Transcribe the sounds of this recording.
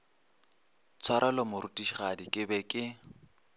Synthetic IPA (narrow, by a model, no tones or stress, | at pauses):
t͡sʰwaɾʔalɔmʊɾutʼiʃiχadikʼɪbɛkʼɪ